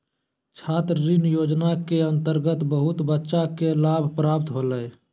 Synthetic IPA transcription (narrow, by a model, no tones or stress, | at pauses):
t͡ʃʰaːt̪ɾɾinjod͡ʒnakeənt̪əɾɡət̪bəɦut̪bətːʃakelabʱpɾapt̪ɦoləj